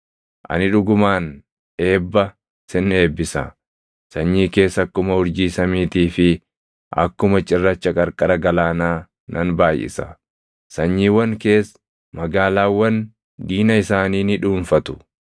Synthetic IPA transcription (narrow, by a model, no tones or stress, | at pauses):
ʔɐ̰nɪᶑʊɡʊmaːn | e̞ːbːɐ | sɪne̞ːbːɪsɐ̰ | sɐɲːiːke̞ːsɐkːʊmɐhʊɾd͡ʒiːsɐmiːt̪iːfɪ | ʔɐ̰kːʊmɐt͡ʃʼɪrːɐt͡ʃːɐkʼɐɾkʼɐɾɐɡɐlaːnaː | nʔɐnbaːjʔɪ̰sɐ | sɐɲːiːwɐŋke̞ːs | mɐɡaːlaːwːɐn | d̪iːnɐɪsaːniːnɪᶑuːnfɐt̪ʊ̥